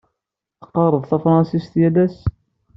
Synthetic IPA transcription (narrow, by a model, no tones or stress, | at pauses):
θə̥qɑrˤəðˤθæfɾˤɑnsist̪jælæs